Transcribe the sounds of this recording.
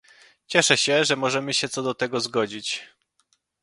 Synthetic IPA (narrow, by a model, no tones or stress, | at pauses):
t͡ɕɛʂɛɕɛʐɛmɔʐɛmɘɕɛt̪sɔd̪ɔt̪ɛɡɔzɡɔd͡ʑit͡ɕ